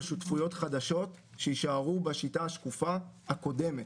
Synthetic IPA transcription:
ʃutfujo̞t̪χad̪aʃo̞t | ʃeiʃaaʁubeʃitaaʃkufahako̞de̞met

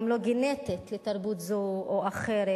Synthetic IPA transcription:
mloɡinet̪itlet̪ɐʁbut̪zuoaχeɾe

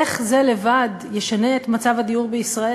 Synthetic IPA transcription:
eχze̞le̞vad | jeʃane̞et̪mat͡savhadiuʁbeisʁae

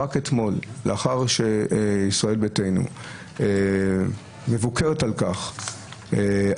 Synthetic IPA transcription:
aket̪mo̞lleaχaʁʃeisʁae̞lbetejnṵ | me̞vukʰeʁetalkaχ | e

